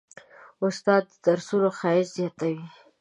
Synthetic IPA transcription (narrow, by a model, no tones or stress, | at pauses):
ʊst̪ɑd̪̚d̪əd̪̥aɾsuloxɑɪd͡ʒzjɑt̪awi